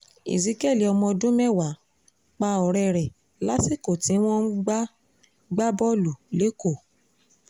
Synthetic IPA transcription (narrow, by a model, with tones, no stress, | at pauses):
ḭ˨zi˨˦ke˦˨li˨ɔ˧mɔ̃˧dũ˦mɛ˦˨wa˨˦ | k͡pa˧ɔ˨ɾɛ˧ɾɛ˨ | la˦si˦˨ko˨tĩ˨˦w̃ɔ̃˦n̩˦ɡ͡ba˦ | ɡ͡ba˦bɔ˦lu˨le˨˦ko˦˨